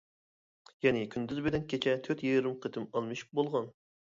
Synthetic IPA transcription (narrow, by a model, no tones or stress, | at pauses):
jɛnɪkʲʰynd̪yzbɪd̪ɛnkʲʰet͡ʃʰɛt̪ʰøɾt̪jeɾɨmqʰət̪ʰɨmɑlˠmɨʃu̥p̚bolˠʁɑn